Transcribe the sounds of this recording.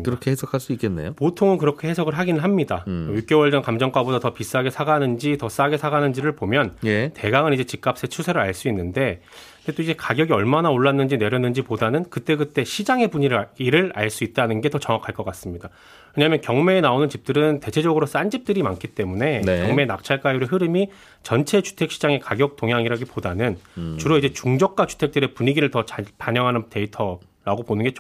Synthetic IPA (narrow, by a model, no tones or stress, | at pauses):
kɯɾʌkʰehesʰʌkʰaɭs͈uik͈enːḛjopotʰoŋɯnkɯɾʌkʰe̞hesʰʌɡɯɭɦaɡinɯɭɦamɲidajuk͈jowʌɭd͡ʑʌnkamd͡ʑʌŋkwabodatʌpis͈aɡe̞sʰaɡanɯnd͡ʑitʌs͈aɡe̞sʰaɡanɯnd͡ʑiɾɯɭpomjʌnete̞ɡaŋɯnid͡ʑe̞t͡ɕik͈ap̚s͈e̞t͡ɕʰusʰe̞ɾɯɭaɭs͈uinːɯnde̞ | net͈oid͡ʑe̞kaɡjʌɡiʌɭmanaoɭːanːɯnd͡ʑine̞ɾjʌnɯnd͡ʑipodanɯnkɯt͈e̞ɡɯt͈e̞ɕʰid͡ʑaŋe̞puɲiɾɯiɾɯɾa̰ɭs͈uit̚t͈anɯnɡe̞tʌt͡ɕʌŋwakʰaɭk͈ʌk͈as͈ɯmɲida | weɲamjʌnkjʌŋme̞ːnaonɯnt͡ɕip̚t͈ɯɾɯnte̞t͡ɕʰe̞d͡ʑʌɡɯɾos͈and͡ʑip̚t͈ɯɾimankʰit͈e̞mune̞nkjʌŋme̞ːnak̚t͡ɕʰaɭk͈ajuɾeɦɯɾɯmi | t͡ɕʌnt͡ɕʰe̞t͡ɕu̥tʰe̞k̚ɕ͈ʰid͡ʑaŋe̞kaɡjʌk̚t͈oŋɦjaŋiɾaɡipodanɯnt͡ɕuɾoid͡ʑe̞t͡ɕuŋd͡ʑʌk̚k͈at͡ɕu̥tʰe̞k̚t͈ɯɾe̞puɲiɡiɾɯɭtʌt͡ɕpaɲjʌŋɦanɯnte̞itʰʌ | ɾaɡoponɯnɡe̞t͡ɕo